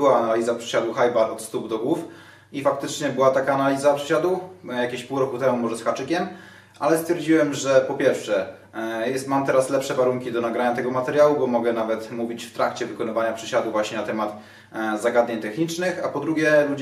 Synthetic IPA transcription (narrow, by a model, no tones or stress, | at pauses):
waːnalʲizapʂɘ̥ɕad̪wuxajbaɔt̪st̪ubd̪ɔɡwuf | ifak̚t̪ɘt͡ʂɲɛbɘwat̪akaːnalʲizapʂɛɕad̪wujakʲeɕpuwɾɔkut̪ɛmumɔʐɛsxat͡ʂɘkʲɛm | ʔalɛst̪fʲjɛɾd͡ʑiwɛmʐɛpɔpʲjɛɾfʂɛ | jɛmamt̪ɛɾaslɛpʂɛvaɾuŋkʲid̪ɔnaɡɾaɲat̪ɛɡɔmat̪ɛɾjawubɔmɔɡɛnavɛt̪muvʲit͡ɕft̪ɾakt͡ɕɛvɘkɔnɨvaɲapʂɘɕad̪wuvwaɕɲɛnat̪ɛmat̪ | zaɡad̪ɲeɲt̪ɛxɲit͡ʂnɘxapɔd̪ɾuɡʲjɛlud͡ʑ